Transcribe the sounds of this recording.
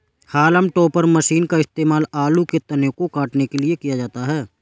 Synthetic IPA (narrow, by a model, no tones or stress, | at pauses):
haːləmʈɔːpəɾməʃiːnkaɪst̪eːmaːlaːluket̪ɐnjokokaːʈnekeliekijad͡ʒaːt̪aɦɛː